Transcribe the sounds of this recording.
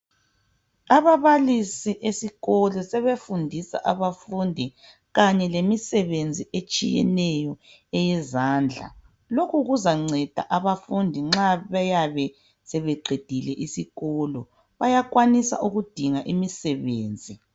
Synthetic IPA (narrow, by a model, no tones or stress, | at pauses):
aβaβalisiʔesiɣɔlɔsɛβefundʱisa̰ʔaβafundʱi | ɣaɲɛlemisɛβend͡zʱiet͡ʃʼijɛ̰nɛjɔ | ɛjɛzaːnd͡ɮʱa̰ | lokʰuɣuzaŋ͡ǀɛd̥ʱa̰ʔaβafundʱiŋ͡ǁaβɛjaβɛ | sɛβɛǃʱed̥ʱilɛʔisiɣɔlɔ | βajaɣwanisa̰ʔuɣud̥ʱiŋaʔimisɛβeːnd͡zʱi